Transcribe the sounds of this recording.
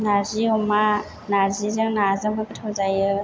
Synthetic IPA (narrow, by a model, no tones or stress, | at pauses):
naziɔma | nazizɯŋnazɯŋbɯkɯtʰawzajɯ